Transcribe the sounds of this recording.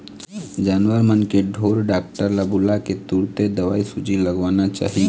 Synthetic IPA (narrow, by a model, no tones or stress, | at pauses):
d͡ʒaːnʋəɾmənkeɖʱoːɾɖaːk̚ʈəɾlabulaket̪uɽt̪ed̪əʋaːisʊd͡ʒʱiləɡʋaːnat͡ʃa̰ːɦĩ